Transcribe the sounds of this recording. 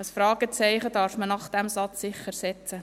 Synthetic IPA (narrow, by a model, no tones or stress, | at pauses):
əsfɾɑːɡ̥ət͡sɛɪχədɑːɾfmənɑχd̥ɛmsɑt͡sːɪχəɾsɛt͡sə